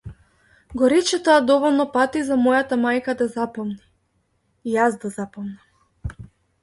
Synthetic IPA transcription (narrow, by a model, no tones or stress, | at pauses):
ɡɔɾɛt͡ʃɛt̪oad̪ɔvɔlˠnɔpat̪izamɔjat̪amajkad̪azapɔmniː | jasd̪azapɔmnam